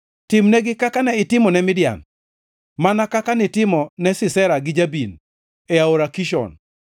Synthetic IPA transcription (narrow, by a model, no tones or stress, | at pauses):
tɪmnɛɡɪkakanɛɪtɪmɔnɛmɪdja̰n | manakakanitɪmɔnɛsɪsɛɾaɡɪd͡ʒabin | ɛaoɾakiʃɔ̰n